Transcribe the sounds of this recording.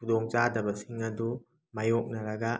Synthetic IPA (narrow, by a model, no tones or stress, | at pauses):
kudɔŋzadɐbɐsiŋɐdu | majɔk̚nɐɾɐɡa